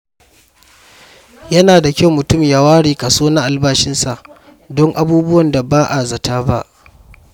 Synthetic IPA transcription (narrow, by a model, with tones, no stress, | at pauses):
jɐ˦naː˨da˨kʲa˦wmʊ˨tʊ˦˨mja˨waː˦ɽiː˨ka˨soː˦na˦ʔa˨lbaː˦ʃɪ˦nsa˨ʔ | dɔ˦ŋʔa˦buː˦bʊ˦wɐ˨nda˨baː˦ʔa˨zɐ˨taː˦ba˦ʔ